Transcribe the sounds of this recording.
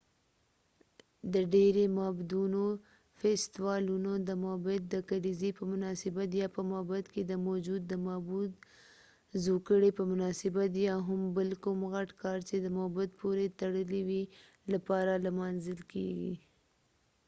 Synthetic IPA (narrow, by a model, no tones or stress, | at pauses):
d̪əɖeɾemɑbd̪uno | fest̪wɑlunod̪əmɑbɪt̪̚d̪əkalizipəmʊnɑsɪbat̪jɑpəmɑbat̪ked̪əmod͡ʒud̪ːəmɑbud̪ | zokəɽepəmʊnɑsɪbat̪jɑɦʊmbəlkumɣaʈkɑɾt͡ʃed̪əmabat̪̚poɾet̪aɽəliwi | lapɑɾalmɑnzəlkḛɡḭ